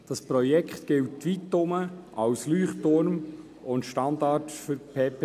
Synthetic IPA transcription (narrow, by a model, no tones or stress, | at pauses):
d̥ɑspɾɔjɛkχtɡ̥ɪltːʋitːʊməɑwslyːχtʊɾm | ʊntʃtɑndɑtfʏɾpʰeːp